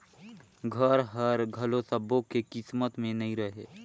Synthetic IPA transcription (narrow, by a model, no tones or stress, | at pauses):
ɡʱəɾɦəɾɡʱəlosəbõkekɪsmət̪mẽnɐɦĩɾəɦeː